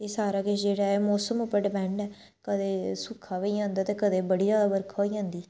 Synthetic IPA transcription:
eːsaːɾaːkɪt͡ʃd͡ʒeːɽaːɛːmɔːsəmʊpəɖbɛ̃ːɳɖɛː | kəd̪eːsʊkʰaːʋeiãːnd̪aːt̪eːkəd̪eːbəɽiːɾaːbəɾkʰoːiːãːnd̪iː

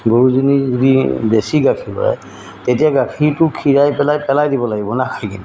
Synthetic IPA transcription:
ɡoɹuzunizudibesiɡakʰilɔ̰ɹa̰ | tetijaɡakʰitʊkʰiɹajpɛlajpɛlajdibɔlaɡibɔnakʰajkini

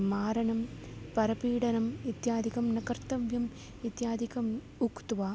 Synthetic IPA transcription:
maːɾɐnɐmpɐɾɐpiːɽɐnɐmit̪jaːd̪ikɐmnɐkɐrt̪ɐʋjɐm | it̪jaːd̪ikɐm | ukt̪ʋaː

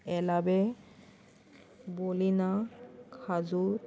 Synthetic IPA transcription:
ɛlabɛ | bolinakʰazu

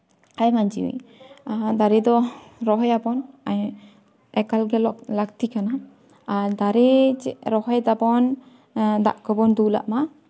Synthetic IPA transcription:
ajmaɲd͡ʒḭḭ | d̪aɾɛd̪ɔɾɔɦɔjabɔnaj | ɛkalɡɛlɔklakt̪ikanaː | ɾd̪aɾɛt͡ʃɛɾɔɦɔjd̪abɔn | d̪a̰ʔkɔbɔnd̪ula̰ʔma

